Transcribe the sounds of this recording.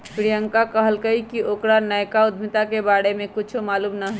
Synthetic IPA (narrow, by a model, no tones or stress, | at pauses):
pɾijəŋkakəɦəlkəikiʔokɾanəjkaʊd̪ʱmit̪akebaɽemẽkit͡ʃʰumaːluːmnəɦ